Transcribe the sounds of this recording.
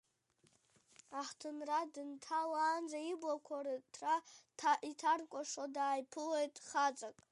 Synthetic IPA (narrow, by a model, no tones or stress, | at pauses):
aħtʰɨnradɨntʰalaːnd͡zaiblakʷʰaratʰraitʰarkʷʼaʂodaːjpʰɨlejtʼχat͡sʼakʼ